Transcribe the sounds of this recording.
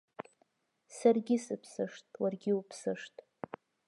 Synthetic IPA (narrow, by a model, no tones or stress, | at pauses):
sarɡʲɪsɨpʰsɨʂtʼwarɡʲɪupʰsɨʂtʼ